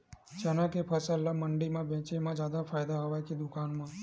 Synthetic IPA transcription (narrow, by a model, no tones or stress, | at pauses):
d͡ʒənãkepʰəsəlːaməɳɖimãʋɛ̃t͡ʃemãd͡ʒjad̪afajd̪aɦəʋajkid̪ʊkanmã